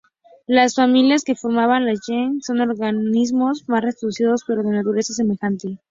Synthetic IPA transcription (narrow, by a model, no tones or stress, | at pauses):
lasfamiljaske̞fo̞ɾmaβanlaʝeŋso̞no̞ɾɣanizmo̞zmasrest̪ɾoðusiðo̞spe̞ɾoðe̞nat̪uɾe̞sas̬e̞me̞xant̪e